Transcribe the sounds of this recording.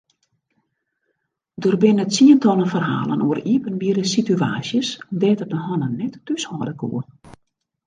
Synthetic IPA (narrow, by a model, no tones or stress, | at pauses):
dorbɪnətsiəntɔlˠənfərɦa̰ːlˠə̰nʔuəriəpənbiərdəsitya̰ːsjəsɔmdɛːtərdəɦɔnənːɛtːyshɔːdəkṵə